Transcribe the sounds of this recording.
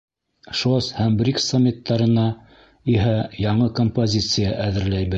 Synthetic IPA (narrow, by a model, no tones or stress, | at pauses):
ʃoshæmbɾʲiksːomʲːit̪ːɑɾɤ̆nɑ | iɦæjɑɴɤkompozʲit̪sɨjaʔæðɘ̆ɾlæjβɘ